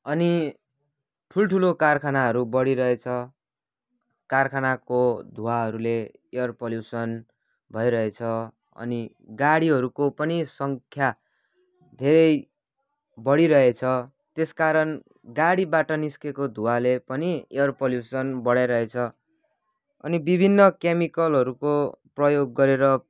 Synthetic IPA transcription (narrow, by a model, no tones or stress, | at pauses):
ʌni | ʈʰulʈʰulokarkʰanaɦʌɾubʌɽiɾʌɦet͡sʰʌ | karkʰanakod̪ʱuwaɦʌɾule | eʌrpʌljusʌn | bʱʌjɾʌɦet͡sʰʌ | ʌ̰ni | ɡaɽiɦʌɾukopʌnisʌŋkʰja | d̪ʱeɾʌj | bʌɽiɾʌɦet͡sʰʌ | t̪eskaɾʌn | ɡaɽibaʈʌniskekod̪ʱuwalepʌniejʌrpoljusʌnbʌɽajɾʌet͡sʰʌ | ʌ̰nibibʱinːʌkemikʌlɦʌɾukoprʌjoɡːʌɾeɾʌ